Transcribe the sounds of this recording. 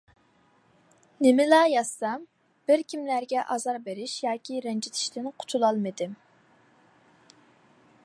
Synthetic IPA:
nɪmɪlˠɑːjɑsːɑm | b̥ɪɾkʲʰimlæɾɡʲɛʔɑzɑɾbeɾɪʃjɑːkʲʰiɾɛnd͡ʒit̪ʰɪ̥ʃt̪ɪnqʰʊ̥t̪ʰulˠɑlˠmɨd̪ɪm

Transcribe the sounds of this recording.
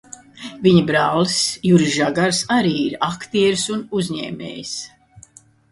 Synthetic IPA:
viɲibɾaːlisjuɾiʒaɡaɾsaɾiːiɾakt̪iɛɾsunuzʲɲɛ̰ːmʲḛːjis

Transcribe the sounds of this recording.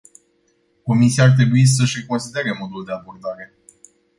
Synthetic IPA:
ko̞misiart̪̬ɾe̞buis̬əʃʲre̞ko̞nsid̪eeɾemo̞d̪uld̪e̞abo̞rd̪aɾe̞

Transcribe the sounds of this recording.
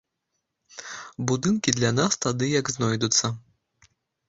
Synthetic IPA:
bud̪ɨnkʲid̪lʲanast̪ad̪ɨjɐɡznɔjd̪ut̪sːɐ

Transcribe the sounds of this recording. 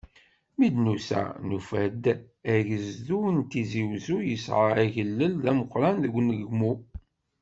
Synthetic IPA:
mid̪nusæ̰nufæd̪ | æʝəzðunt̪iziwzujəsʕəɾæʝəlːəlðæməqːɾænðəɡʷːnəɡmu

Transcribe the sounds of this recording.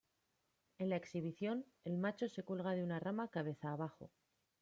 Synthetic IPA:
e̞nlaeksiβ̞iθjo̞n | e̞lmat͡ʃo̞se̞kelɣ̞aðeunaramakaβ̞e̞θaːβaxo̞̰

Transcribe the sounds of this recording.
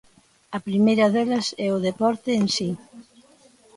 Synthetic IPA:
ɐpɾimejɾɐðɛlɐsɛʊð̞epɔɾt̪ɪːnsi

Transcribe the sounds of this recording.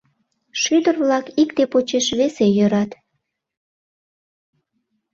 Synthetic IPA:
ʃyd̪ərβlɑkikt̪epot͡ɕeʃβesejøɾɑt̪

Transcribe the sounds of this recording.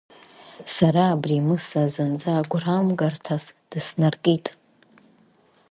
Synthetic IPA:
saɾaːbrimɨsazɨnd͡zaːɡʷramɡartʰasd̥ɨsnarkʼitʼ

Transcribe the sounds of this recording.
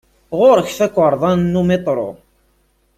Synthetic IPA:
ʁʊɾəçθækʷːəɾˤðˤɑnnːumet̪ˤɾˤo̰

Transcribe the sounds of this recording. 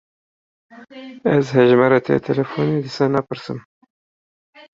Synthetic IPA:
æzɦɛʒmɛɾɑt̪ʰɛ̰t̪ʰɛlɛfoned̪isɑːnɑpɨɾsɨ̰m

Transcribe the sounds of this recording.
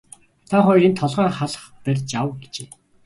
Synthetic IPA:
t̪ʰaχʊjint̪ʰɔɮʁœːχaɮχpærʲt͡ɕawɡet͡ɕeː

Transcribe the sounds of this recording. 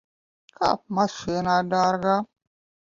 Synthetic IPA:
ka̰p̚masʃʷenadaɾɡa

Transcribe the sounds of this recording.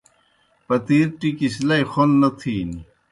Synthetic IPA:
pɐt̪iːɾʈikislɐixonːɐt̪ʰiːni

